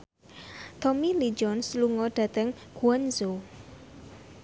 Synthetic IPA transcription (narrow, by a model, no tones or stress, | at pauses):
t̪ɔmilid͡ʒɔnsluŋɔɖ̥ä̤t̪ɛŋɡ̥uanzo